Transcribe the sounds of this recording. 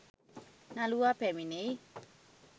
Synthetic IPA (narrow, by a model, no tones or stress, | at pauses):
naluapʰɛmine